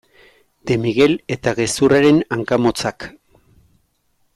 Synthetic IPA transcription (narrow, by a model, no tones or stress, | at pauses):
d̪e̞miɣe̞le̞t̪aɣe̞suraɾe̞naŋkamo̞t͡sak